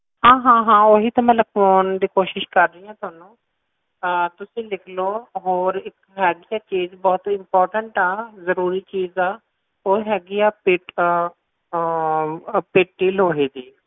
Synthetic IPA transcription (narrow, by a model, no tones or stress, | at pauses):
ɦãːɦãːɦãːoːɦiːt̪ãːmɛ̃ːləkʰʋoːnd̪iːkoːʃɪʃkəɾːəiːãːt̪ʰʊaːnũː | t̪ʊsĩːlɪkʰloːɦoːɾɪk | ɦɛːɡiːaːt͡ʃiːzbɔːt̪ɪmpɔːɾʈəɳʈaːzəɾuːɾiːt͡ʃiːzaː | oːiɦɛːɡiːaːpɪʈ | peːʈʈːiːlɦoːɦiːd̪iː